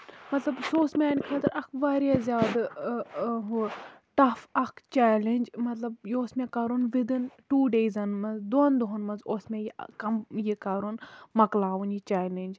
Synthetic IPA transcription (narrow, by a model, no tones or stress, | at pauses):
mɐt̪lɐbsoːsmeaːnkʰɐt̪ɨɾɐkʰʋaːɾjazʲjaːd̪ | ɦut̪ɐfɐkʰt͡ʃaːlenʲd͡ʒmɐt̪lɐb̚joːsmẽkaːɾunʋid̪inʈuːɖeːzɐnmɐzd̪oːnd̪oɦɐnmɐnzoːsmẽjikɐmjikaːɾunmɐklaːʋunit͡ʃaːlenʲd͡ʒ